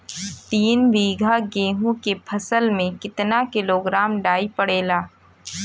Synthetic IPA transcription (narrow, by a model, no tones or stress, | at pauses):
t̪iːnbiːɡʱaɡeːɦũkepʰɐsəlmẽkɪt̪nakɪloːɡɾaːmɖaːipɐɽeːlaː